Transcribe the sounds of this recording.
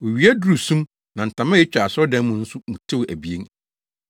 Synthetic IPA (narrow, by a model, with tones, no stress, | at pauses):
wo˨ɥi˨˦æ˦du˦ɾu˨sũ˦m | nã˨n̩˨tʰã˨mã˦je˦t͡ɕᶣa˨sɔ˦dɛ̃˦n˦mũ˨n̩˦sʊ˦mũ˨tʰɪ˦wʔæ˨bi˨ẽ˦ŋ